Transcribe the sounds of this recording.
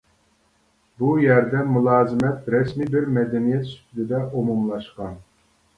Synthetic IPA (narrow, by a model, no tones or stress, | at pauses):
bujæɾd̪ɛmulˠɑːzɪmɛt̪ɾɛsmibɪɾmɛd̪ɛnijɛt̪sy̥t̪ʲʰylɪd̪ɛʔomumlˠɑʃqɑn